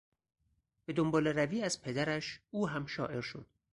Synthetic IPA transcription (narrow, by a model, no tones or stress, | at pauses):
b̥e̞d̪ombɒːle̞ɾæviːæzpʰe̞d̪æɾæʃuːɦæmʃɒ̰ːʔe̞ɾʃo̰d̪̥